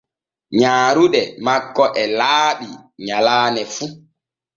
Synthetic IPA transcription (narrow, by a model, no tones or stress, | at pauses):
ɲaːɾuɗɛmakːɔʔɛlaːɓiɲalaːnɛfu